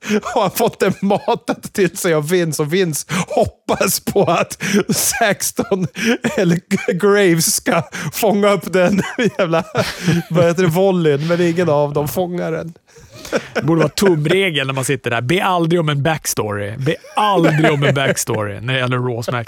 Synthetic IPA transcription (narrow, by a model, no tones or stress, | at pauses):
haɾanfɔt̪ːd̪ɛmɑːt̪ənʰːɪlsɛjɔvɪnːsɔvɪnshɔpːaspʰɔat̪sɛkst̪ɔnɛlːəɡɾɛjvskafɔŋːaɵpːd̪ɛnjæːvlavahɛt̪ːəɾɛvɔlːɪnmɛnɪŋːənavd̪ɔmfɔŋːaɾɛ̰n | d̪ɛbuːɖəvɑːt̪ʰɵmːɾeːɡəlnæɾmansɪt̪ːəɖæ̰ɾbeːʔald̪ɾɪɡɔmɛnbækst̪o̰ɾɪ̰beːald̪ɾɪɔmɛnbækst̪ːɾɪ̰næɾɛjɛlːəɾːoːsmæk